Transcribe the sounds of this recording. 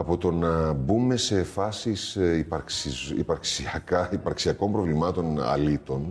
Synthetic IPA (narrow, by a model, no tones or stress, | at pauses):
ɐpo̞t̪o̞nɐbume̞se̞fɐsisipɐɾksizḭpɐɾksiɐkɐipɐɾksiɐko̞mpɾo̞vlimɐt̪o̞nɐ̰lit̪o̞n